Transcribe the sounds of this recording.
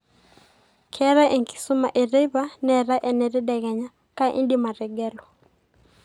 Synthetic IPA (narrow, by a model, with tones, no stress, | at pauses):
kʰɛ˦ɾa˦ʔe˨ŋki̥˨su˦ma˨ʔe˨ɾɛ˦βa˦nɛ˨ɾa˦ʔɛ˨nɛ˨ɾɛ˦ɗɛ˨ɣɛ˨ɲa˨ | ka˦ʔḭ˦ndi˦ma˨ɾɛ˨ɡɛ˦lɔ˨